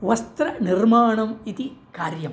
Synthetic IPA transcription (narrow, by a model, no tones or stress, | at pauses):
ʋɐst̪ɾɐnirmaːɳɐmit̪ikaːɾjɐm